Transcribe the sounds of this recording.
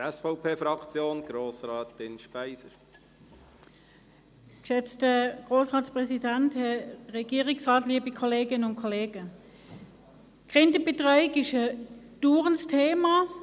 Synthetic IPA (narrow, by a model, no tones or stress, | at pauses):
ɛsfɔʊpʰeːfɾɑkt͡sjoːnɡ̥ɾoːsɾaːtɪnʃpæɪsəɾ | kʃɛt͡stəɡ̥ʁoːsʁɑːtspʁɛsidænthɛʁɛɡiːʁɪksʁɑːtliːbikʰɔleːɡɪnənʊntkʰɔleːɡ̥ə | ɡ̥ʁɪndəb̥etʁaɪkɪʃə | d̥uːʁənstʰeːma